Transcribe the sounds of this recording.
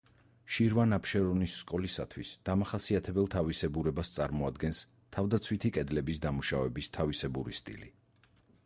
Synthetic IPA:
ʃiɾvanapʰʃɛɾɔnisːkʼɔlisa̰t̪ʰwisd̪̥amaχasiat̪ʰɛbɛlˠt̪ʰavisɛbuɾɛbast̪sʼa̰ɾmɔad̪ɡɛns | t̪ʰavd̪at̪sʰwit̪ʰikʼɛd̪lɛbisd̪amuʃavɛbist̪ʰavisɛbuɾḭst̪ʼḭli

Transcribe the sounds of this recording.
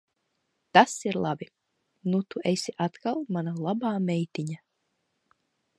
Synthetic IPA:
t̪asiɾlˠabi | nut̪uʔesʲiʔat̪kalˠmanalˠabaːmʲɛjt̪ʲiɲa

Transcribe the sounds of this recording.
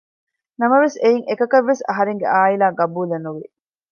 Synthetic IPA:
nɐmɐʋesejiŋʔekɐkɐʋːesɐɦɐɾeŋɡḛʔaːilaːɡɐbuːlɐnuʋi

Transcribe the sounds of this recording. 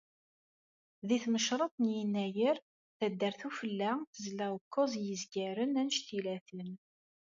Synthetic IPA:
ðiθməʃɾˤɑt̪ˤnjinːæjəɾ | θæd̪ːəɾθufəlːæθəzlæəkːozjəzɡæɾənænʃt̪ilæθən

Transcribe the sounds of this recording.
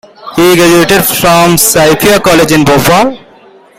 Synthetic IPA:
hiːɡɾæd͡ʒueːʈɪɖfɾɔ̃msaɪfiakɔːled͡ʒɪ̃nboːfal

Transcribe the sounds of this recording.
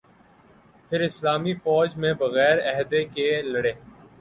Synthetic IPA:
pʰɪɾɪslaːmifɔːd͡ʒmẽbɐɣɛːɾɛɦd̪ekelɐɽeː

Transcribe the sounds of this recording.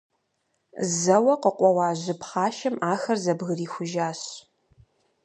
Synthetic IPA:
zɐwɐqəqʷʼɔwɑːʑɪpχɑːʃɐmaːxɐrzɐbɣɨriːxʷʊʒaːɕ

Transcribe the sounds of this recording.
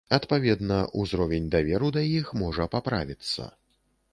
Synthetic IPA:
ɐt̪pavʲɛd̪nɐʔuzɾɔvʲɛnʲd̪avʲɛɾud̪ɐjixmɔʐɐpapɾa̰vʲit̪sːɐ̰

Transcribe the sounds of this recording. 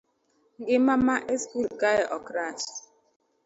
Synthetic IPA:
ŋ̩ɡɪmamaʔeskulɡajʔɔkɾas

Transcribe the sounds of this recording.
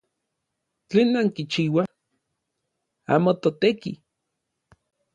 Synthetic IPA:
t͡ɬeːnːaŋkit͡ʃiːwa | a̰ːmot̪ot̪eki

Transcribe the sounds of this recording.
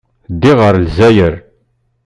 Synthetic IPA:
d̪iʁəɾlzæjəɾ

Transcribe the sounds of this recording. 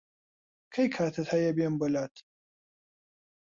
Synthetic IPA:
kʰɐjkʰaːt̪ʰɐt̪hɐjɐbembəlaːt̪ʰi̥

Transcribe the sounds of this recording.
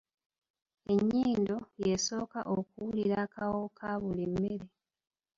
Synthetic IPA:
e̞ɲːiːndo̞je̞so̞ːka̰ʔokuwuliɾakawo̞kʰaβulimːeɾe

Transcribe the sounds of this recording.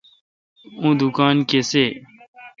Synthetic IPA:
ũːd̪ukaːnkeseː

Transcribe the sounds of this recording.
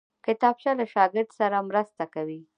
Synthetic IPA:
kɪt̪ɑbʃalaʃɑɡɪɾd̪saɾamɾast̪akawi

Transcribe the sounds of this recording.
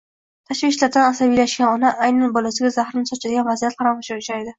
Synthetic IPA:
t̪ʰaʃvɪʃlaɾd̪anasabijlaʃɡʲanɒnaʔajnanbɒlasɪɡʲazahɾɪnɪsɒt͡ʃʰad̪ɪɡʲanvazijat̪̚qʰɑɾamaʃaʊʃajd̪ɪ

